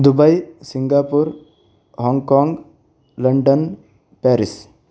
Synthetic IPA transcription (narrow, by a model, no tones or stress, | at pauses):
d̪ubɐjsiŋɡapuɾ | hɔŋkɔŋɡ | ləɳɖən | pɛɾis